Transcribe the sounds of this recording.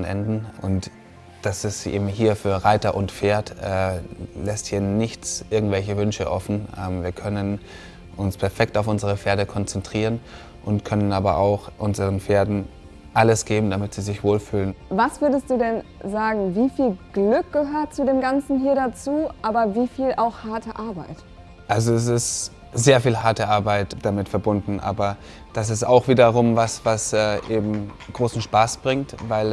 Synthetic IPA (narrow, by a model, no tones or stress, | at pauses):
nʔɛ̰ndn̩ʔʊnt | d̥asɪstʔḛːbm̩ɦiːɐfyːɐʁaɪtɐʔʊntfeːɐtɛːlɛsthiːɐnɪçt͡sʔɪɐɡŋ̩tv̥ɛlçəvʏnʃə̰ʔɔfn̩ʔɛːmviːɐkʰœnən | ʔʊnspʰɛɐfɛk̚taʊfʔʊnzəʁ̞əfeːɐɾəkʰɔnt͡sɛntʁ̥iːʁ̞ən | ʔʊntkʰœnənaːbɐʔa̰ʊxʔʊnzəʁənfeːɐdn̩ | ʔaləsɡ̥eːbm̩damɪtz̥iːzɪçv̥oːlfyːlənvasv̥ʏɐdəstd̥uːdɛnzaːɡŋ̩viːfiːlɡ̥lʏk̚ɡ̥əhøːɐt̚t͡suːdeːmɡant͡sn̩ɦiːɐdat͡suːʔaːbɐviːfiːlʔaʊxhaɐtəʔaɐbaɪt | ʔalzoɛs̬ɪst | z̥eːɐfiːlɦaɐtəʔaɐbaɪtd̥amɪtfɛɐbʊndn̩ʔa̰ːbɐ | d̥as̬ɪsta̰ʊxv̥iːdɐʁ̞ʊmvasvasɛːʔeːbm̩ | ɡ̥ʁoːsn̩ʃpaːsb̥ʁɪŋtvaɪl